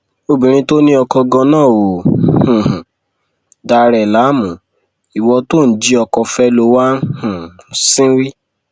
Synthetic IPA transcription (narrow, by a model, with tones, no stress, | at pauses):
o˧bĩ˨ɾ̃ĩ˧to˦nĩ˦ɔ˧kɔ˧ɡɔ̃˧nãː˦˨wo˨hũ˨hũ˨ | da˧ɾɛ˨la˨˦mũ˨ | i˨wɔ˧to˦˨n̩˨˦d͡ʒi˧˦ɔ˧kɔ˧fɛ˦lo˧˦wa˦hũ˨sĩ˦ɾi˦